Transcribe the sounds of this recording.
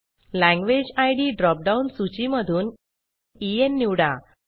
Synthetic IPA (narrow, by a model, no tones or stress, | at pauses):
læ̃ŋɡʋed͡ʑajɽiːɖɾɔp̚ɖaunsut͡ɕiməd̪ʱuːn | ienːiwɽa